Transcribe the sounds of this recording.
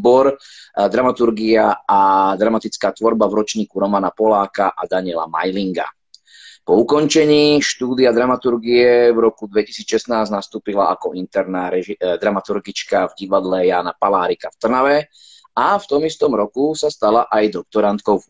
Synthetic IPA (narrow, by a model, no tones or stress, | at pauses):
bɔɾd̪ɾamat̪uɾɡiaad̪ɾamat̪it͡skaːt̪ʋɔɾbavɾɔt͡ʃɲiːkuɾɔmanapɔlaːkaʔad̪aɲɪɛla̰ma̰jliŋɡa̰ | pɔukɔnt͡ʃɛɲiːʃt̪uːd̪iad̪ɾamat̪uɾɡiɛvɾɔkud̪ʋɛci̥siːt͡sʃɛsnaːznast̪uːpilaakɔint̪ɛɾnaːɾɛʒid̪ɾamat̪uɾɡit͡ʃkavɟiʋad̪lɛjaːnapalaːɾikaft̪r̩naʋɛ | aft̪ɔmist̪ɔmɾɔkusast̪alaʔajd̪ɔk̚t̪ɔɾant̪kɔʊ